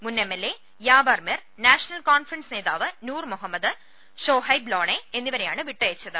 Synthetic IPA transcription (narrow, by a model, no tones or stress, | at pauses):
munːemːelːe | jaːbɐːrmer | naːʂɐnɐlkaːnfrɐnsɨne̞ːða̰ːʋɨnuːrmuɦɐmːɐd̪ɨ | ɕoːɦɐjbloːɳeenːiʋɐɾejaːɳɨʋiʈːɐjɐt͡ɕːɐðɨ̰